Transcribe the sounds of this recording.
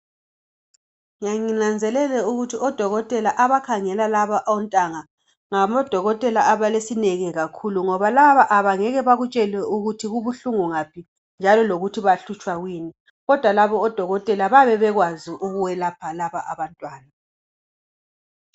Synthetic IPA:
ŋaŋinand͡zʱɛlɛlɛuɣutʰiɔd̥ʱɔɣɔtʼɛlaʔaβakʰaŋɛlalaβaʔɔntʼaŋa | ŋamɔd̥ʱɔɣɔtʼɛlaːβalesinɛɣɛɣakʰuluŋɔβalaβaʔaβaŋɛɣɛβaɣut͡ʃʼɛlɛuɣutʰiɣuβuɬuŋuŋapʰi | nd͡ʒʱalɔloɣutʰiβaɬut͡ʃʼwaɣwiːni | ɣɔd̥ʱwalaβɔːd̥ʱɔɣɔtʼɛlaβaβɛβɛɣwaziʔuɣuwɛlapʰalaβaʔaβantʼwaːna

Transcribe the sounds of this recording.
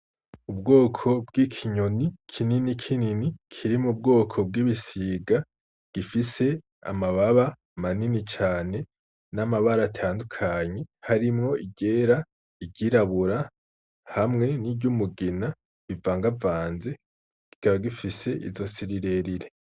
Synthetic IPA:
ubɡo̞ːkʰo̞bɡikʰiɲo̞nikʰininikʰininikʰiɾimub̚ɡo̞ːkʰo̞b̚ɡiːβisiːɡa | ɡ̥ifise̞ | a̰maβaβa | maninit͡ʃaːne̞ | namaβaɾatʰaːndukʰaːɲe̞haɾimŋo̞iɟe̞ːɾa | iɟiɾaβuɾa | hamŋe̞niɟumuɡina | βivaːŋɡavaːnze̞ | ɡ̥i̥kʰaβaɡifise̞ʔḭzo̞siɾiɾe̞ɾiɾe

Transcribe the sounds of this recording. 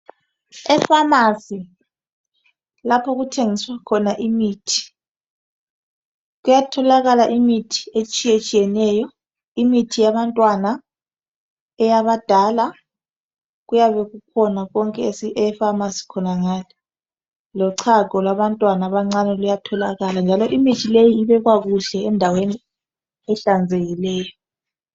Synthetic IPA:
ɛfamasi | lapʰɔɣutʰeŋiswakʰɔnaʔimiːtʰi̥ | ɣujatʰɔlaɣalaʔimitʰi̥et͡ʃʼijet͡ʃʼijɛnɛjɔ | imitʰijaβantʼwana | ɛjaβad̥ʱala | ɣujaβɛɣukʰɔnaɣɔŋkʼɛsiɛfamasi̥kʰɔnaŋaːni | lɔǀʰaɡ̥ʱɔlwaβantʼwanaβaŋ͡ǀanɛlujatʰɔlaɣaland͡ʒʱalɔʔimitʰilejiːβɛɣwaɣuɬɛːndʱaweni | ɛɬand͡zʱeɣilɛːjɔ

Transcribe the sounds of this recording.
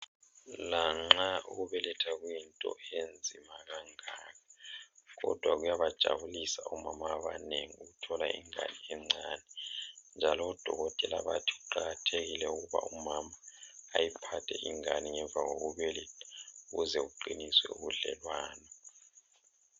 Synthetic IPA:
laŋ͡ǁauɣuβɛlɛtʰaɣwintʼɔ̰end͡zʱimaɣaŋaːɣʰaɣɔ̰d̥ʱwaɣujaβad̥ʒ̥ʱa̰βulisaumamaːβa̰neŋiuɣutʰɔla̰ḭŋa̰niɛŋ͡ǀanɛnd͡ʒʱalɔːd̥ʱɔɣɔtʼɛlaβa̰tʰi̥ɣuǃaɣatʰeɣilɛuɣuβa̰umamaːjipʰatʰɛʔiŋaniŋɛɱvʱaɣoɣuβɛlɛtʰauɣuzɛuǃiniswɛ̰uβuɮɛ̰lwaːnɔ

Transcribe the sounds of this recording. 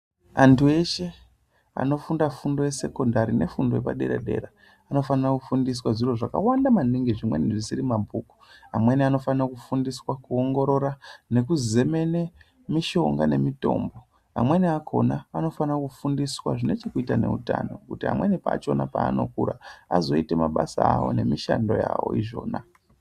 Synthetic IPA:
antʰue̞ʃe̞ | a̰no̞fundafundo̞je̞se̞ko̞ndaɾine̞fundo̞jepaɗe̞ɾḛɗe̞̰ɾa | ano̞fanirakufundis̬waʐiro̞ʐaka̰wandamaniŋɡiʐimwe̞̰niʐisiɾimabʱuːku̥amwe̞niano̞fanrakufundiswakuoŋɡo̞ɾo̞ɾane̞kuze̞me̞ne | miʃo̞ŋɡa̰ne̞mito̞̰ːmbo̞ | a̰mwe̞niakʰo̞̰naano̞fanakufundiswa̰ʐine̞t͡ʃekuitane̞̰uta̰no̞̰kutiɦa̰mwe̞nipaːt͡ʃo̞napaːno̞̰kuɾa̰azo̞ite̞maɓasaːwo̞̰ne̞miʃando̞ja̰wo̞̰iʐo̞̰ːna

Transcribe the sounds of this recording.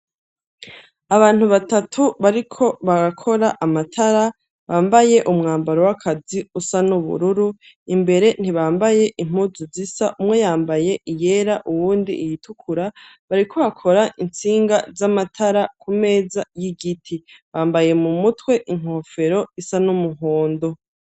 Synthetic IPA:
aβaːn̥huβatatʰuβaɾikʰo̞βaɡakʰo̞ɾaʔamatʰaɾa | βaːmbaje̞ʔumŋaːmbaɾowakʰaziusanuβṵɾuɾu | imbe̞ɾe̞n̥iβaːmbaje̞ʔim̥uzuzisaʔumŋe̞jaːmbaje̞ʔije̞ɾaʔuwuːndḭjitʰukʰuɾa | βaɾikʰo̞βakʰo̞ɾaʔint͡siːŋɡazamatʰaɾakʰume̞ːzajiɡitʰiβaːmbaje̞mumutwe̞ʔiŋ̥o̞fe̞ɾo̞isanumuɦo̞ːndo̞

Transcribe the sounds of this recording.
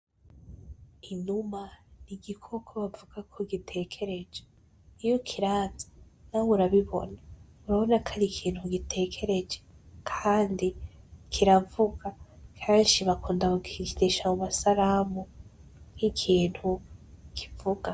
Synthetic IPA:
inumaniɡikʰo̞kʰoβavuɡ̥akʰoɡitʰe̞kʰe̞ɾe̞d͡ʒe | ijokʰiɾaːzanauɾaβiβo̞̰na | uɾaβo̞nakʰaɾikʰiːn̥huɡitʰe̞kʰe̞ɾe̞d͡ʒe | kʰaːndikʰiɾavuɡakʰeːnʃiβakuːndaβuɡidiʃaumasaɾaːmunikʰiːn̥hukʰi̥vuɡ̥a

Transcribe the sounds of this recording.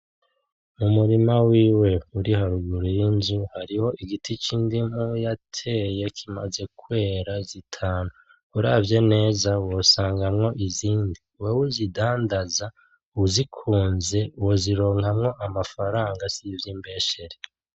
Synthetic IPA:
mumuɾimawiːwe̞uɾihaɾuɡuɾijinzuhaɾiho̞ʔiɡitʰit͡ʃindim̥ujatʰe̞je̞kʰima̰ze̞kwe̞ːɾazitʰaːnu | uɾavje̞ne̞ːzawosaːŋɡamŋo̞ʔiziːndiwewuzidaːndaza | zikʰuːnze̞uwoziɾo̞ːŋhamŋo̞ʔamafaɾaːŋɡasivjiːmbe̞ʃe̞ɾe

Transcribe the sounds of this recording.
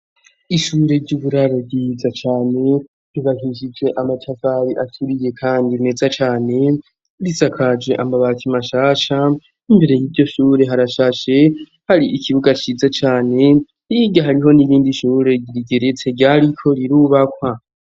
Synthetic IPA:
iʃuːɾe̞ɾɟuːβuɾaɾo̞ɟizat͡ʃaːne̞ | ɾiβaɦiʃ̬id͡ʒe̞ʔamatʰavaɾiʔatʰuɾije̞kʰaːndime̞zat͡ʃaːne̞ | ɾisakʰad͡ʒe̞ʔamaβatʰimaʃaːʃa | imbe̞ɾe̞jiβɟo̞ʃuːɾe̞ɦaɾaʃaːʃe̞ | haɾiʔikʰiβuɡat͡ʃizat͡ʃaːne̞ | iɡaɦaɾiɦo̞niβiːndiʃuːɾe̞ɟiɾiɡe̞ɾet͡se̞ɟaɾikʰo̞ɾiɾuβakwa

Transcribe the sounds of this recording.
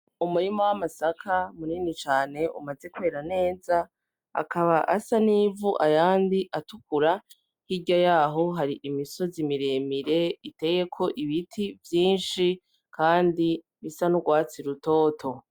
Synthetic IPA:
umuɾimowamasakʰamuniːnit͡ʃaːne̞ṵmaze̞kuwe̞ːɾane̞ːza | a̰kʰaβaʔasaniːvuʔajaːndiʔatukuɾa | hiɟajaːɦo̞ɦaɾiʔimiso̞zimiɾemiɾe̞ite̞je̞kʰo̞ʔiβitʰivjiːnʃi | kʰaːndi | βisanuɡwaːt͡siɾuto̞ːtʰo̞

